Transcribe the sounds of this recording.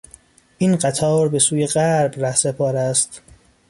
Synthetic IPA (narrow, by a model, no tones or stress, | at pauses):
ʔiːnɢæt̪ʰɒːɾbe̞suːjeɣæɾbræhsepʰɒːɾæst̪